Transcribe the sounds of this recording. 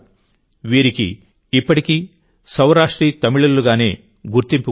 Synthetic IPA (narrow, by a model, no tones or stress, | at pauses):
ʋiːɾikḭː | pːɐʈiki | sɐwɾaːʂʈɾiːt̪ɐmiɭulːuɡaːne̞ː | ɡuɾt̪impu